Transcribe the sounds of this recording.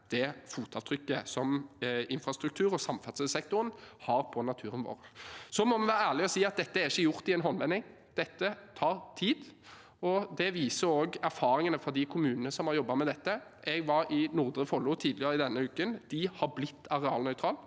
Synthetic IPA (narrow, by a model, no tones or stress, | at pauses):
d̪̥ɛfuːt̪ɑʋt̪ʰɾʏkːəsɔmɪnfʁɑst̪ɾʉkt̪ʰʉːɾɔsɑmfɑt̪səsɛk̚t̪ʊɾənhɑɾpʰɔnɑt̪ʰʉːɾənʋo̰ːɾsɔmɔmɛʋæːɾəæːʁlɪɔsiːɑt̪̚d̪ɛt̪ːəæɾɪçːəjʊʁt̪ɪɛnɦɔnʋɛnːɪŋ | d̪̥ɛt̪ːət̪ʰɑːɾt̪ʰiːd̪ | ɔd̪ɛʋiːsəɾoːɡæɾfɑːɾɪŋənəfɔd̪ɪkʰʊmʉːnənəsɔmhɑɾjɔbːɑmɛd̪ɛt̪ːəʔɛɡʋɑɾɪnʊʁd̪ɾəfɔlʊt̪ʰiːd̪lɪəɾəɪd̪ɛnːəʉːkənd̪̥ɪhɑblɪt̪ːɑʁɛɑːlnœʏt̪ʰɾɑːl